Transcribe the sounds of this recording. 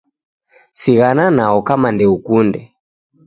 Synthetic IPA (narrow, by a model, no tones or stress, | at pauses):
siɣananaɔkamandɛukundɛ